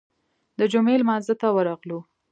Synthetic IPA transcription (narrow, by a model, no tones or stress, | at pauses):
d̪əd͡ʒʊmelmɑnzət̪awəɾɑɣlu